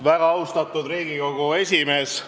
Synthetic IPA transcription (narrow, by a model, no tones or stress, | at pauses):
væɡ̥ɑɑwst̪ɑt̪ˑud̪riːɡiko̞ɡ̥ue̞sʲime̞ːs